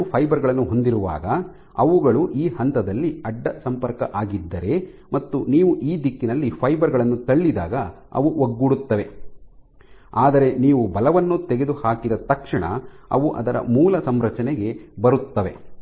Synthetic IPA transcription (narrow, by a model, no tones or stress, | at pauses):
pʰɐjbɐɾɡɐɭɐnːuɦo̞nd̪iɾuʋa̰ːɡɐ | ɐʋuɡɐɭuʔiːhɐnt̪ɐd̪ɐlːiɐɖːɐsɐmpɐɾkɐʔaːɡid̪ːɐɾe̞ | mɐt̪ːuniːʋuʔiːd̪ikːinɐlːipʰɐjbɐɾɡɐɭɐnːut̪ɐɭːid̪a̰ːɡɐ | ɐ̰ʋuʔoɡːuɽut̪ːɐʋe̞ | aːd̪ɐɾe̞niːʋubɐlɐʋɐnːut̪ɛɡed̪uhaːkid̪ɐt̪ɐkʂɐɳɐ̰ɐ̰ʋuʔɐ̰d̪ɐɾɐ̰muːlɐsɐmɾɐt͡ʃɐnɛɡe̞bɐɾut̪ːɐʋe̞